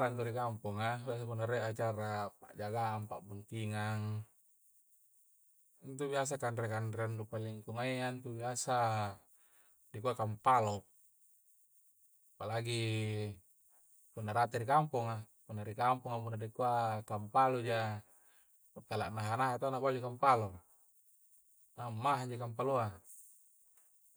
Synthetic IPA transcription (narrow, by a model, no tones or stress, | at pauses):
ɾant̪uɾikampuŋabias̬apunːaɾeat͡ʃaɾapa̰ʔd͡ʒaɡaʔːmpaʔbunt̪iŋaŋ | nt̪ubias̬akanɾekandɾeandupaliŋkuŋaiant̪ubiasa | dikuakampalo | apalaɡi | punːaɾat̪iɾikampuŋa | punːaɾikampuŋapunːadikuakampalud͡ʒa | uk̪ːalaʔnaɦanaɦat̪anakad͡ʒikampalo | namːaɦaɲd͡ʒikampalua